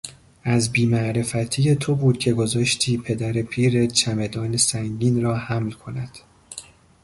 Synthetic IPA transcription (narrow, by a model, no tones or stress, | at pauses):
ʔæzbiːmæʔɾe̞fæt̪ʰije̞t̪ʰo̞buːd̪̚cʰe̞ɡo̞zɒːʃt̪ʰiːpʰe̞d̪æɾepʰiːɾet͡ʃʰæme̞d̪ɒːne̞sæŋɟiːnrɒːhæmlkʰo̞næd̪̥